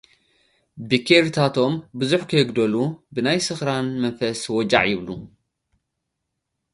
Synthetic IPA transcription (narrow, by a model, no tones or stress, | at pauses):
bikʰeɾit̪ʰat̪ʰo̞mbɨzuħkʰɐjɨɡd̪ɐlubɨnajsɨxɾanmɐnfɐswɔd͡ʒa̰ʕjɪβlu